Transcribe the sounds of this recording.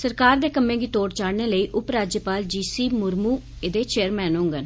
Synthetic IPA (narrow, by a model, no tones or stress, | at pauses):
səɾkaːɾd̪eːkəmːẽːɡiːt̪oːɽt͡ʃaːɽneːləiːʔʊpɾaːd͡ʒjəpaːld͡ʒiːsiːmʊɾmuː | ed̪eːt͡ʃeːəɾmɛːnõːŋɡən